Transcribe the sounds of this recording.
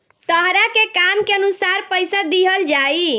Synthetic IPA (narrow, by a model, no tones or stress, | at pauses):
t̪əɦɾakekamkeənusaɾpəɪsad̪iɦəld͡ʒai